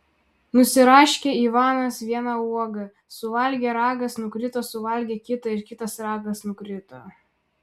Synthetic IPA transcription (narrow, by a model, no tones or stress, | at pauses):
nʊsʲɪɾɑːʃʲkʲeːiːʋɑːnɐsʋʲiɛnɑuɔɡɐ | sʊʋɐlʲɡʲeːɾɑːɡɐsnʊkɾʲɪt̪oːsʊʋɐlʲɡʲeːkʲɪt̪ɐɪɾkʲɪt̪ɐsɾɑːɡɐsnʊkɾʲɪt̪o̰ː